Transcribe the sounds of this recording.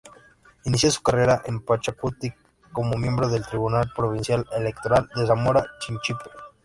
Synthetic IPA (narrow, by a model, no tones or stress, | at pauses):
inis̬josu̥kareɾaʔempat͡ʃakut̪i | kːo̞mo̞mje̞mbɾo̞ðe̞lt̪ɾiβunalpɾo̞β̞insjalelekt̪o̞ɾald̪es̬amo̞ɾat͡ʃint͡ʃipe